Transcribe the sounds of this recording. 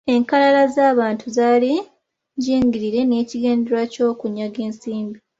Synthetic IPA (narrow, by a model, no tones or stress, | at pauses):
e̞ŋkalalazaːβaːntuzaːli | ɲɟiːŋɡiɾiɾe̞ne̞ːciɡe̞ːndeɾwaco̞ːkuɲːaɡe̞ːnsiːmbi